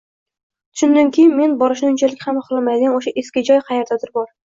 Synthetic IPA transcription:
t̪ʰʊ̥ʃʊnd̪ankʲʰejɪnme̞nbɒɾɪʃnɪʊnt͡ʃʰalɪkʲhamχlˠɑmajd̪ɪɡʲanoʃaʔeskʲɪd͡ʒɒjqʰɑjeɾd̪ad̪ɪɾbɒɾ

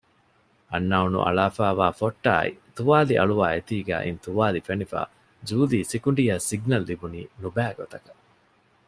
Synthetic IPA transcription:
ɐnːaunṵʔɐ̰ɭaːfaːʋaːfoʈːa̰ːḭt̪uʋaːliʔɐ̰ɭuʋaːet̪iːɡæ̰ːʔint̪uʋaːlifenifa̰ː | d͡ʒuːliːsikuɳɖijasiɡnɐlːibuniːnubæːɡot̪ɐkɐ̥

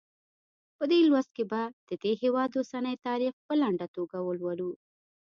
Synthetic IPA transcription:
pəd̪elwast̪̚kebad̪̥əd̪eɦewɑd̪osanəjt̪ɑɾixpəlaɳɖat̪oɡawəlwaɽu

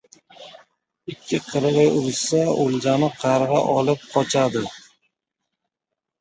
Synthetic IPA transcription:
ɪkʲʰːɪqʰɨɾʁɪjʊɾsaolˠd͡ʒanɪqʰɑɾʁɑʔɒlˠɪp̚qʰɒt͡ʃʰad̪ɪ

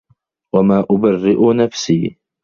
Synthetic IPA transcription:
wamaːʔʊbarːɪʔʊnafsiː

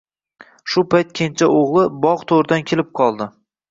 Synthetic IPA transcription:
ʃʊpʰajt̪̚kʲʰent͡ʃʰaoʁlˠɪbɒʁt̪ʰoɾɪd̪ankʲʰelɪp̚qʰɒlˠd̪ɪ

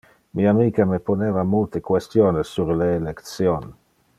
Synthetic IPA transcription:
miamikameponevamult̪ekwest̪joːnesːuɾleːlekt̪sjon

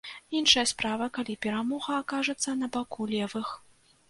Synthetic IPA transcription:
inʂɐjɐspɾavɐkalʲipʲɛɾamɔɣɐːkaʐɛt̪sːɐnɐbakulʲɛvɨx

